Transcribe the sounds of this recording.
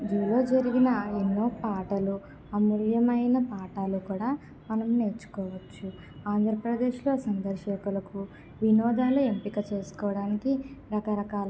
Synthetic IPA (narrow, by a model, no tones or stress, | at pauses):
d͡ʒuːlo̞ːd͡ʒɐɾiɡinɐenːo̞ːpaːʈɐlu | ɐmuljɐmɐjnɐpaːʈaːlukuːɽaː | mɐnɐmne̞ːɾt͡ʃːu̥kɔːʋɐt͡ʃːu | aːnd̪ʱɾɐpɾɐd̪e̞ːʃlo̞ːsɐnd̪ɐɾʃɐkulɐku | ʋinɔːd̪aːlue̞mpiɡaːt͡ʃe̞ːsu̥kɔːʋɐɽaːnikiɾɐkɐɾɐkaːlɐ